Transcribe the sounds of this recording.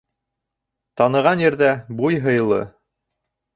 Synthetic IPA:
t̪ɑnɤ̆ʁɑnjɘ̆ɾðæbujɦɤ̆jɤ̆lˠɤ̰

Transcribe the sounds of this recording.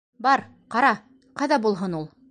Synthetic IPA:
bɑɾ | qɑɾɑ | qɑðɑbulˠɦɤnulˠ

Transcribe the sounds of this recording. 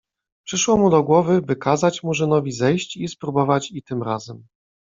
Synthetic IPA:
pʂɘʂwɔmud̪ɔɡwɔvɘbɘkazat͡ɕmuʐɘnɔvʲizɛjɕt͡ɕispɾubɔvat͡ɕit̪ɘmɾa̰zɛm

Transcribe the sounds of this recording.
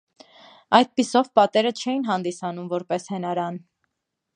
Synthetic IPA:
ɑjd̪̚pisɔvpɑt̪ɛɾət͡ʃʰɛjinɦɑnd̪isɑnumvɔɾpɛshɛnɑɾɑn

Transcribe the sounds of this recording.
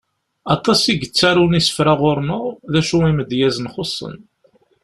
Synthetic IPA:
ɑt̪ˤɑsiɡət͡sːæɾunisə̥fɾaʁʊɾnoʁðæʃuiməd̪jæzənχosˤːə̰n

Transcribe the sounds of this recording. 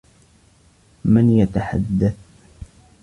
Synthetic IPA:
mɪnjat̪aħa̰d̪ːaθ

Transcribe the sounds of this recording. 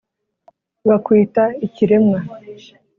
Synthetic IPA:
ɡakwiːtaiciɾe̞mŋa

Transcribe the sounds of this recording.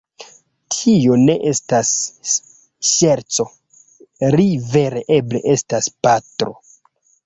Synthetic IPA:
tʰio̞ne̞ʔe̞stas | ʃe̞ɾt͡so̞ | ɾive̞ɾe̞ʔe̞ble̞ʔe̞staspatɾo̞̰

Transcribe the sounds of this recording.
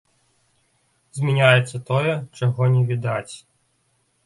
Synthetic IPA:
zʲmʲinʲajɛt̪sːɐt̪ɔjɛt͡ʂɐɣɔnʲɛʋʲid̪at͡sʲ

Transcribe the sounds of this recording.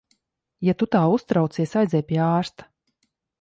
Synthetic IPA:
jat̪ut̪aːust̪ɾawt̪siɛsajd̪zʲɛjpʲiɛaːɾst̪ḁ

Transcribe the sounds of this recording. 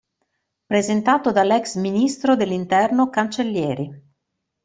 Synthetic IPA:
pɾezent̪aːt̪od̪alɛksminist̪ɾod̪elːint̪ɛrnokant͡ʃelːjɛːɾi

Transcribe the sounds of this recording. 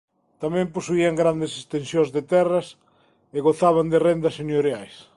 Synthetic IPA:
t̪amɛ̃mposuiaŋɡɾand̪esest̪ensjõzðet̪ɛrɐs | eɣoθaβand̪ɪrend̪ɐsenjoɾjajs

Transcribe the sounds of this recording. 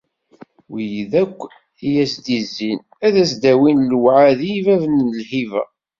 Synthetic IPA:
wijðækʷː | ijæsd̪izːin | æðæsd̪æwinlwʕaðijvævənəlhivæ̰

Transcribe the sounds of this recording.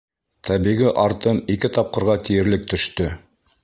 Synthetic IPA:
t̪ʰæβiʁiʔɑɾt̪ɤmikɘt̪ɑp̚qɤ̆ɾʁɑt̪ijɘ̆ɾlɘk̚t̪ɵ̆ʃt̪ɵ

